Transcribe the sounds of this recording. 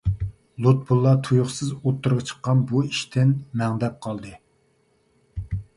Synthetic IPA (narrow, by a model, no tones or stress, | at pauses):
lˠot̪̚bulˠːɑt̪ʰujuχsɨzot̪ʰːuɾʁɑt͡ʃʰə̥qːɑnbuiʃt̪ʰɪnmɛŋd̪ɛp̚qʰɑlˠd̪ɨ